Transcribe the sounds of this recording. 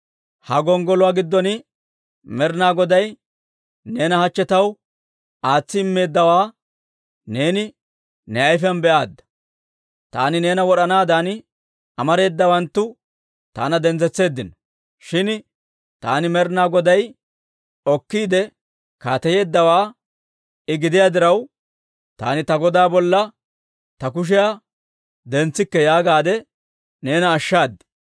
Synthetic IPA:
hɐɡɔŋɡɔlɔwaːɡɪd̪ːɔnɪ | mɛɾnaːɡɔd̪ɐj | ne̞ːnɐhɐt͡ʃːɛt̪ɐw | aːt͡sːɪɪmːe̞ːd̪ːɐwaː | ne̞ːnɪ | nɛɐjfɐnbɛʔaːd̪ːɐ̥ | t̪a̰ːnɪne̞ːnɐwɔɗɐnaːd̪an | ɐmɐɾe̞ːd̪ːɐwɐnt̪ːʊ | t̪a̰ːnɐd̪ɛnd͡zɛt͡sːe̞ːd̪ːɪnɔ | ʃɪn | t̪aːnɪmɛɾnaːɡɔd̪ɐj | ɔkːiːd̪ɛ | kaːt̪ɐje̞ːd̪ːɐwaː | ɪɡɪd̪ɪjaːd̪ɪɾɐw | t̪a̰ːnɪt̪ɐɡɔd̪aːbɔlːɐ | t̪ɐk̬ʊʃ̬ɪja | d̪ɛnt͡sːɪkːɛjaːɡaːd̪ɛ | ne̞ːnɐːʃːaːd̪ːɛ̥

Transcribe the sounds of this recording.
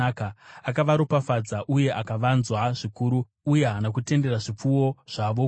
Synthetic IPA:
kaakaʋaɾopafad͡zaʔuje̞ʔakaʋanzwaʐikuːɾuː | janak̬ute̞nde̞raʐip͡fuwo̞ʐ̥aʋo

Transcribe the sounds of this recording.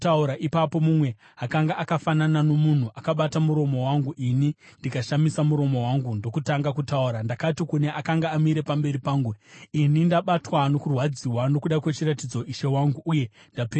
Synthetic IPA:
auɾaʔipapo̞mumwe̞ | akaŋɡaʔakafananano̞mun̤uʔakaɓatamuɾo̞mo̞waŋɡuʔinindikaʃamisamuɾo̞mo̞waŋɡundo̞kutaŋɡakutauɾandakatikune̞ʔakaŋɡaːmiɾe̞pambe̞ɾipaːŋɡuinindaɓatwano̞kurwad͡ziwano̞kuɗakwe̞t͡ʃiratid͡zoiʃe̞waŋɡuʔːje̞ | ndap

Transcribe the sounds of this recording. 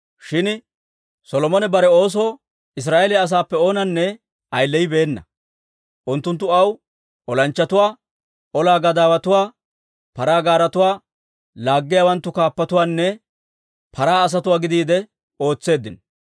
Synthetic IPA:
ʃɪn | sɔlɔmɔnɛbɐɾɛo̞ːs̬oː | ɪs̬ɾaːʔelɪɐs̬aːpːɛo̞ːnɐnːɛ | ʔɐjlːɛjɪbe̞ːnːɐ̰ | ʔʊnt̪ːʊnt̪̬ːʊɐw | ɔlɐnt͡ʃːɐt̪ʊwaː | ɔlaːɡɐd̪aːwɐt̪ʊwaː | pɐɾaːɡaːɾɐt̪ʊwaː | laːɡːɪjaːwɐnt̪ːʊkaːpːɐt̪ʊwaːnːɛ | pʰɐɾaːɐs̬ɐt̪ʊwaːɡɪd̪iːd̪ɛ | o̞ːt͡sːe̞ːd̪ːɪn

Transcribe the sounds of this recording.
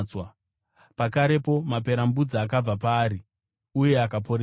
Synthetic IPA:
wa | pakaɾe̞po̞map̬e̞ɾambud͡ziak̬ab͡vapaːɾi | uje̞akap̬o̞ɾe

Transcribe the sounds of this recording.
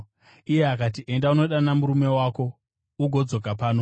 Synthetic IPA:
ije̞akat̬iʔe̞ndauno̞ɗanamuɾume̞waːko̞ | uɡʱo̞d͡zo̞kapaːno̞

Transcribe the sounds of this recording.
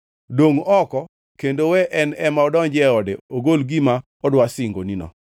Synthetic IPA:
doŋɔkɔ | kendowɛʔɛnɛmaɔdɔnd͡ʒɛɔdeoɡolɡima | ɔdwasɪŋɡo̰ninɔ̰

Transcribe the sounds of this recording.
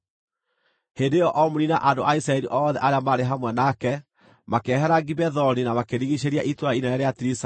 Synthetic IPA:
hendejɔʔɔmoɾina̰ʔandoʔaisɾaɛɾiʔɔːðɛʔaɾeamaɾeɦamwɛnakɛ | makɛhɛɾaɡibɛðɔninamakeɾiɣiɕeɾiaʔitwainaɛɾeatiɾisa

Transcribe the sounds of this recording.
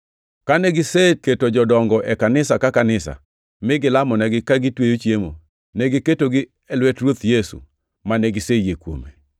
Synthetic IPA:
kaneɡɪseketod͡ʒɔdɔŋɡɔʔɛkanɪsakakanɪsa̰ | mɪɡɪlamɔnɛɡɪkaɡɪtwejot͡ʃjemo | nɛɡɪketoɡɪ | ɛlwɛtrwot̪jesṵ | maneɡɪsejekwo̰mḛ

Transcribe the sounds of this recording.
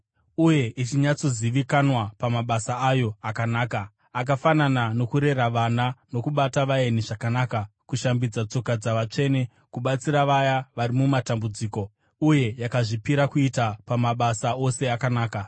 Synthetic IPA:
uje̞ʔit͡ʃiɲat͡so̞ziʋikanwapamaɓasaajo̞akanaːka | ak̬afananano̞kuɾe̞ɾaʋanano̞kuɓataʋae̞niʐakanaːkakuʃambid͡zat͡so̞kad͡zaʋat͡ʂe̞ːne̞ | kuɓat͡siɾaʋajaʋaɾimumatambud͡ziːko̞ | uje̞jakaʐipiɾakuitapamaɓasao̞se̞akanaːka

